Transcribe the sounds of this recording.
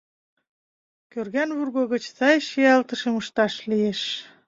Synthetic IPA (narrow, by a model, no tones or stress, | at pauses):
kørɣænβurɣoɣə̆t͡ɕsɑjʃiɑlt̪ə̆ʃeməʃt̪ɑʃlieʃ